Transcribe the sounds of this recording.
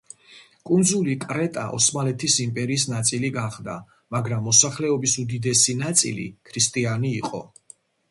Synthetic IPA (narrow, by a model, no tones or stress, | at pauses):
kʼund̪zulikʼɾɛt̪ʼa̰ʔɔ̰smalɛt̪ʰisimpʼɛɾiːs̬nat̪sʼiliɡaχd̪a | maɡɾamːɔsaχlɛɔbisud̪id̪ɛsinat̪sʼḭlḭkʰɾist̪ʼianiːqʼɔ̰